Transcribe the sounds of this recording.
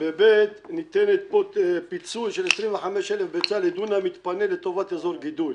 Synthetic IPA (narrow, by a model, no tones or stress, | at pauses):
bebet̪nit̪enet̪̚popit͡sulʃelesʁimveħameʃelefbet͡saled̪unamit̪panelet̪o̞vat̪ezoʁɡid̪ul